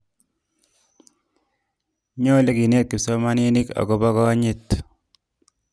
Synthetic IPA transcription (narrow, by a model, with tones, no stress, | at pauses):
ɲo˦le˦ki˨ne˦t̪̚ki˨so˦ma˦ni˦ni˦ka̰˨ko˦pa˦kɔ˦ɲi˦t̪